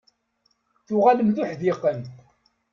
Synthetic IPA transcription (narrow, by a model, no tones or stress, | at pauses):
θʊʁaləmθuħðɪqənt